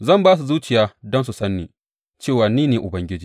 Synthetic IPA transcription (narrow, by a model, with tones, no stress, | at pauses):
zɐ˦˨mbaː˦s̬u˨zuː˦t͡ʃɪ˨jaː˦dɔ˦nsu˨sɐ˦nːiː˨ | t͡ʃeː˦˨waː˨niː˦neː˨ʔʊ˨bɐ˦ŋɡʲɪ˦d͡ʒiː˨